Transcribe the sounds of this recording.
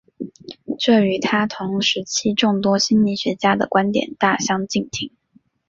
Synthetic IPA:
ʈ͡ʂɤ˥˩y˧˥t̪ʰa˥t̪ʰʊ˧˥ŋʂɻ̩˧˥t͡ɕʰi˥ʈ͡ʂʊ˥˩ŋt̪wɔ˥ɕi˥nli˧˥˩ɕɥɛ˧˥t͡ɕja˥d̪ə˨kwa˥nt̪jɛ̰˨˩nt̪a˥˩ɕjɑ˥ŋt͡ɕi˥˩ŋt̪ʰi˧˥ŋ

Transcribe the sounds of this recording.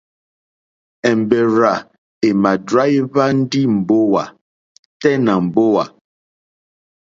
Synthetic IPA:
ɛ˨m˨bɛ˨ɾa˨ | e˨ma˨dɾa˦i˦βa˦n̩˦di˦m̩˨bo˦wa˨ | tɛ˦na˨m̩˨bo˦wa̰˨

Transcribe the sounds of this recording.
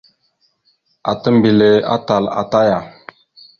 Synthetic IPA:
a̰˨tə˦mbi˨le˨a̰˦ta˨la̰˨ta˦ja˨

